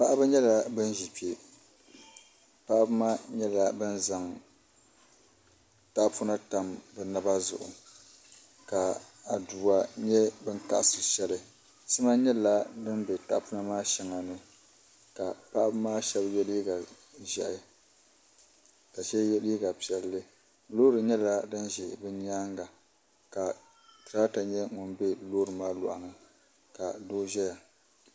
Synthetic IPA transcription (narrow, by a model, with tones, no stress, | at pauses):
pa˦ʔa˦bɨ˦ɲɛ˦la˨bɨ˦n˦ʒi˨pi˨e˨ | pa˦ʔa˦bmaː˦ɲɛ˦la˦bɨ˦nza˨ŋ | ta˦ʔpu˦na˦ta˨mbɨ˨na˦ba˦zʊ̰˨ʔʊ̰˨ | ka˨a˨duː˨a˨ɲɛ˦bɨ˦ŋka̰˨ʔsɨ˨ʃɛ˦lɨ˦ | sɨ˦ma˦ɲɛ˦la˦dɨ˦nbɛ˨ta̰˨ʔpu˦na˦maː˦ʃɛ˨ŋa˨nɨ˨ | ka˨pa˦ʔbmaː˦ʃɛ˦bjɛ˦li˦ɡa˨ | ʒɛ˨ʔɪ˨ | ka˨ʃɛ˦jɛ˦li˦ɡa˨pi˨ɛ˨lːɨ˦ | lo˦ɾɨ˨ɲɛ˦la˦dɨ˦nʒɛ˨bɨ˦ɲ˦aː˦ŋɡa˨ | ka˨ | tɨ˨ɾaː˦ta˨ɲɛ˦ŋʊ˨nbɛ˦loː˦ɾɨ˨maː˦lʊ̰˨ʔa˨ŋɨ˨ | ka˨doː˦ʒɛ˦ja˨